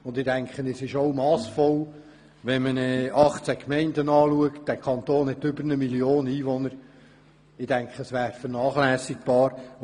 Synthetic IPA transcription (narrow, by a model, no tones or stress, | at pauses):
ʊnd̪ɪdæŋkχənesɪʃoʊmɑːsfɔl | ʋɛnmənɛɑχt͡sækmɛɪndənɑːluəkt̚d̥ækʰɑnt̪oːnhɛt̪ʏbəɾnəmilioːniːʋɔnəɾ | ɪdæŋkχəəsʋæːɾfəɾnɑːχlæːsɪk̚b̥ɑːɾ